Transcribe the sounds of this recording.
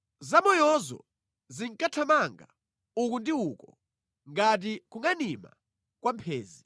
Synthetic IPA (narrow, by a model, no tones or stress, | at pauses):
zamɔjɔzɔ̰ | ziŋkʼatʰamaŋɡa̰ | ukundiukɔ | ŋɡat̬ikuŋanima̰ | kwampʰeːzi